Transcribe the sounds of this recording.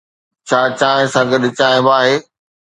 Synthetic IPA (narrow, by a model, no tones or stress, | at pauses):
t͡ɕʰaːt͡ɕaːɪ̃sãːɡəɗɪt͡ɕaːɪj̃baːɦeː